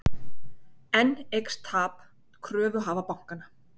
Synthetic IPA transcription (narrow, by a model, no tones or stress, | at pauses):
ɛnːejkst̪ʰaːp | kʰɾœːvʏɦaːvapawŋ̥kana